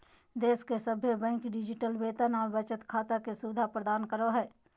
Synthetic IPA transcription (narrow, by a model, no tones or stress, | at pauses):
d̪eːskesəbʱebɛ̃ːŋkɖɪd͡ʒɪʈəlbeːt̪ənɔːɾbət͡ʃət̪kʰaːt̪akesuɪd̪ʱapɾəd̪aːnkəɾoɦɛː